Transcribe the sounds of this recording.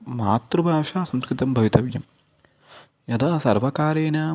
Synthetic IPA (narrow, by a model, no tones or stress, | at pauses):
maːt̪ɾubʱaːʂaːsɐmskɾit̪ɐmbʱɐʋit̪ɐʋjɐm | jɐd̪aːsɐɾʋɐkaːɾeːnaː